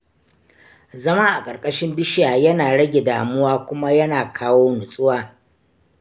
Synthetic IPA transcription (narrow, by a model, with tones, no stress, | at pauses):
zɐ˦ma˦ʔa˨kʼɐ˨rkʼɐ˦ʃɪ˦mbɪ˦ʃɪ˦jaː˨jɐ˦naː˨ɽɐ˦ɡʲe˨daː˨mʊ˦waː˦kʷʊ˦ma˦jɐ˦naː˨kʰaː˦woː˦nʊ˨sʼʊ˦waː˨